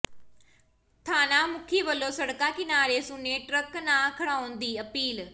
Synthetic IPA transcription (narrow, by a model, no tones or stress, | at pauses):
t̪ʰaːnaːmʊkʰiːʋəlːõːsəɽkãːkɪnaːɾeːsʊnːeːʈɾəknãːkʰəɽaːʊnd̪iːəpiːl